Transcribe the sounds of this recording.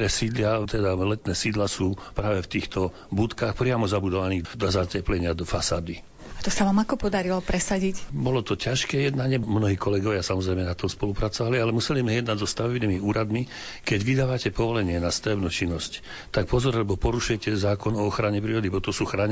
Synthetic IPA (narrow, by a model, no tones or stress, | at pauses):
ɾɛsiːd̪lɪat̪ɛd̪alɛt̪nɛːsiːd̪lasuːpɾaːʋɛft̪iːxt̪ɔ | but̪kaxpɾɪamɔzabud̪ɔʋaniːɣd̪ɔzacɛplɛɲɪad̪ɔfasaːd̪i | at̪ɔsaʋaːmakɔpɔd̪aɾilɔpɾɛsaɟicbɔlɔt̪ɔcaʃkɛjɛd̪naɲɪɛmnɔɦiːkɔlɛɡɔʋɪasamɔzɾɛjmɛnat̪ɔmspɔlupɾat͡sɔʋalialɛmusɛlizmɛjɛd̪naɟzɔst̪aʋɛbniːmiuːɾad̪mi | kɛɟʋid̪aːʋacɛpɔʋɔlɛɲɪɛnast̪aʋɛbnut͡ʃinːɔsc | t̪ak̚pɔzɔɾlɛbɔpɔɾuʃujɛcɛzaːkɔnɔɔxɾaɲɛpɾiːɾɔd̪ibɔt̪ɔsuːxɾaɲ